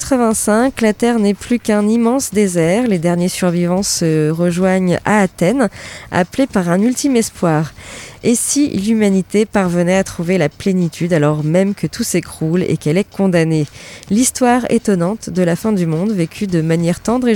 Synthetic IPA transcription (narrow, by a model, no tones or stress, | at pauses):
t̪χəvɛ̃sɛ̃klat̪ɛʁnɛplykɛ̃nimɑ̃sd̪ezɛʁled̪ɛʁnjesyʁvivɑ̃səʁəʒwaɲa̰ːt̪ɛna̰plepaʁɛ̃nylt̪imɛspwaːʁesḭlymanit̪epaʁvənɛat̪χuvelaplenit̪ʰyd̪alɔʁmɛmkʰət̪usekχulḛkɛlɛkɔ̃d̪anelist̪waʁḛt̪ɔnɑ̃t̪d̪əlafɛ̃d̪ymɔ̃d̪vekʲʰyd̪əmanjɛʁt̪ɑ̃d̪ʁe